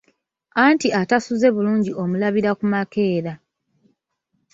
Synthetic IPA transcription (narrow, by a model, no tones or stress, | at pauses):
antiatasuze̞βuluːɲɟio̞mulaβiɾakumake̞ːɾa